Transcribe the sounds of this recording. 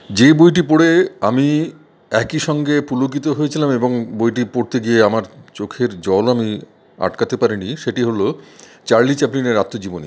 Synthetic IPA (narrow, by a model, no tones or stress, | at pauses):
d͡ʑebojʈ̬ipoɽeami | ɛkiʃɔŋɡepulokit̪oɦojet͡ɕʰilameboŋbojʈipoɽt̪eɡieamaɾt͡ɕokʰeɾd͡ʑɔlami | a̰ʈkat̪epaɾiniʃeʈiɦolot͡ɕaɾlit͡ɕɛplineɾat̪ːod͡ʑibonḭ